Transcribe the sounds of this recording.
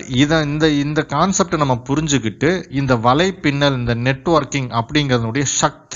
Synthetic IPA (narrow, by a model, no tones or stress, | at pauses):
ɪðɐ̃ɪnd̪ɐɪnd̪ɐkaːnsɐp̚ʈnɐmːɐpʊɾɪɲd͡ʒɯkːɪʈːɯɪnd̪ɐʋɐlɐɪpːɪnːɐlɪnd̪ɐnɛʈːʋɐɾkɪŋɐpːɐɽɪŋɡɐɾɐðɐnɯɽɐjɐʂɐk̚t̪